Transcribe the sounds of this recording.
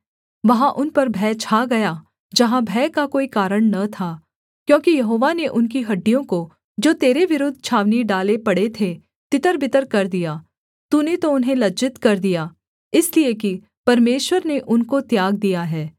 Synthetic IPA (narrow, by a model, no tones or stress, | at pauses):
ʋɐɦãʔʊnpɐɾbʱɛːt͡ʃʰaːɡɐjaː | d͡ʒɐɦãbʱɛːkakoːikaːɾəɽ̃nɐt̪ʰaː | kjõːkijɐɦoːʋaneʔʊnkiɦɐɖːijõko | d͡ʒoːt̪eːɾeʋɪɾʊd̪ʱt͡ʃʰaːʋniɖaːlepɐɽet̪ʰe | t̪ɪt̪əɾbɪt̪əɾkɐɾd̪ijaː | t̪unet̪oʊnɦẽlɐd͡ʒɪt̪kɐɾd̪ijaː | ɪsliek̬i | pɐɾmeːʃwəɾneʔʊnkot̪jaːɡ̚d̪ijaɦɛː